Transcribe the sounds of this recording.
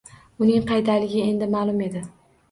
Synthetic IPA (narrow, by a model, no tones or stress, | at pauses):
ʊnɪŋqʰɑjt̪ʰalɪɡʲɪe̞nd̪ɪmaːlˠʊme̞d̪ɪ